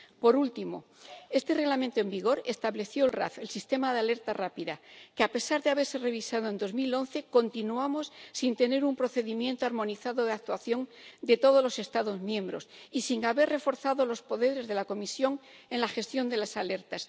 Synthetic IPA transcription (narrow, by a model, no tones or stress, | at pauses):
po̞ɾult̪imo̞̰ | e̞st̪e̞re̞ɣlamẽnt̪oe̞mbiɣ̞o̞ɾe̞st̪aβle̞θjo̞lra̰θe̞lsist̪e̞maðeale̞ɾt̪arapiðakeape̞saɾðeaβe̞ɾsere̞β̞isað̞oend̪o̞zmilo̞nθe̞ko̞nt̪inuamo̞sːint̪e̞ne̞ɾumpɾo̞θe̞ðimjẽ̞nt̪oaɾmõ̞niθaðo̞ðeak̚t̪waθjo̞ŋd̪e̞t̪o̞ð̞o̞zlo̞sest̪aðo̞zmjẽ̞mbɾo̞sisiŋaβe̞rre̞fo̞ɾθaðo̞lo̞spo̞ðe̞ɾe̞zðe̞lako̞misjo̞ŋ | e̞nlaxe̞st̪jo̞nd̪e̞lasale̞ɾt̪as